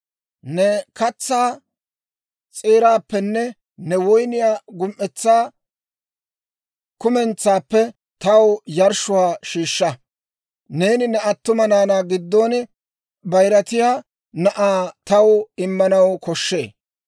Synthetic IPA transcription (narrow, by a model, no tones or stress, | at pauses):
nɛkɐt͡sːaː | t͡sʼeːɾaːpːɛnːɛ | nɛwɔjnɪjaːɡʊmʔɛt͡sːaː | kʊmɛnt͡sːaːpːɛ | t̪ɐwjɐɾʃʊwaːʃiːʃːɐ | ne̞ːnɪnɛɐt̪ːʊmɐnaːnaːɡɪd̪ːoːn | bɐjɾɐt̪ɪjaː | nɐʔaːt̪ɐwɪmːɐnɐwkɔʃːe̞ː